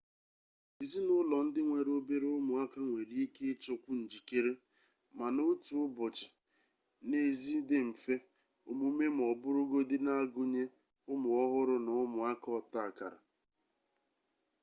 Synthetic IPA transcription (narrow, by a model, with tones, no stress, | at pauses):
i˨zi˦nʊ˦lɔ˨n̩˦dɪ˦ŋʷe˨ɾo˦be˦ɾe˦ʊ˦mʊ˨a˦ka˦ŋʷe˨ɾi˦i˦ke˦t͡ʃo˦kʷu˦n̩˨d͡ʒi˨ke˦ɾe˦ | ma˨no˦tu˨ʊ˦bʊ˨t͡ʃɪ̥˨ | ne˦˨zi˦dɪ˦m̩˨fe˦ | ʊ˨mu˦me˦m̩˨ɔ˨bʊ˦ɾʊ˦ɡo˦dɪ˦na˦ɡʊ˦ɲe˦ | ʊ˦mʊ˨ɔ˦ɦʊ˦ɾʊ˦nʊ˨ʊ˦mʊ˨a˦kɔ˨ta˦˨ka˨ɾa̰˨